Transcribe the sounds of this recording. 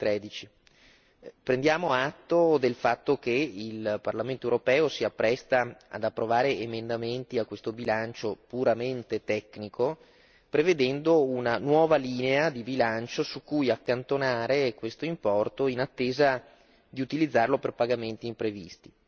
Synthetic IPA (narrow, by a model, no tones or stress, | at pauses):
t̪ɾɛːd̪it͡ʃi | pɾend̪jaːmoat̪ːod̪elfat̪ːok̟eilparlament̪oewuɾopɛːosiapːɾɛst̪aa̰d̪apːɾovaːɾeemend̪ament̪iakwest̪obilant͡ʃopuɾament̪et̪ɛkːnikʰo | pɾeved̪ɛnd̪ounanwɔːvaliːnead̪ibilant͡ʃosukːujakːant̪onaːɾekwest̪oimpɔrt̪oinat̪ːeːza | d̪iut̪ilid̪zːarloperpaɡament̪iːmpɾevḭst̪i̥